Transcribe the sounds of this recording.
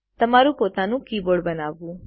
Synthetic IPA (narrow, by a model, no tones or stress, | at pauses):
t̪ɐmaːɾupoːt̪ãnũːkiːboːɽbɐnaːʋuː